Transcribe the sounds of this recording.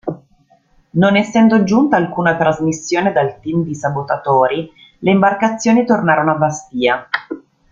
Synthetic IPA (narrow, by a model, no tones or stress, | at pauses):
nonesːɛnd̪od͡ʒunt̪aːlkuːnat̪ɾazmisːjoːned̪alt̪imd̪isabot̪at̪oːɾi | leimbarkat̪sːjoːnit̪ornaːɾonoabast̪iːa